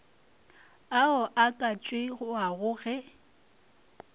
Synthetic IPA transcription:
aɔʔakʼat͡ʃʼwɪɣʊaɣʊːɣɛ

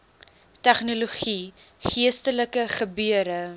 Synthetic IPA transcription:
tæχnoloχi | χiəstələkəχəbyəɾə

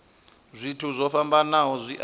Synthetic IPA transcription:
zʷitʰuzʷɔfambanaɦɔzʷiʔ

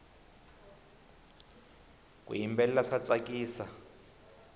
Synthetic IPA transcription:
k̬ʼṵjimbɛlɛlaʂat͡sʼakʼiːsa

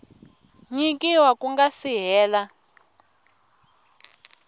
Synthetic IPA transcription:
ɲikiwakuŋɡasiɦɛːla

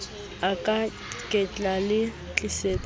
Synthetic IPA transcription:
akʼa | kʼɛt͡ɬʼalɪ | t͡ɬʼiset͡sʼ

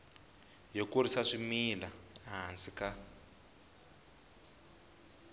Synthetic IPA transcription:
jokuɾisaʂimilaaɦansika

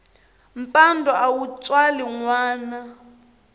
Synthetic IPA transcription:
m̩pʼandʱɔʔawut͡sʼwaliŋwaːna

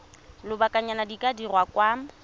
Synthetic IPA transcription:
lʊbakʼaɲanadikʼadirwakwaːm̩

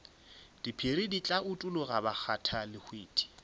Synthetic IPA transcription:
d̥ipʰerɪdit͡ɬʼaʔʊtʼʊlʊɣabak͡xʰatʰalɪhweːtʰi̥

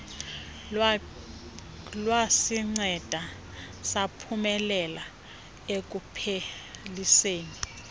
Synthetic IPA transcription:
lwasiŋ͡ǀɛd̥ʱa | sapʰumɛlɛla | ek̬ʼupʰeliseːni

